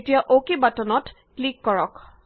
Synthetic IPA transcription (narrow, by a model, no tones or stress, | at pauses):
tijaʔokibatɔnɔt | klikːɔɹɔk